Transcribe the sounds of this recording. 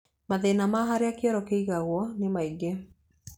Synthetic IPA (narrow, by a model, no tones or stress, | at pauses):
maðenamaɦaɾeakeɔɾɔkeiɣaɣwɔnemaiɡe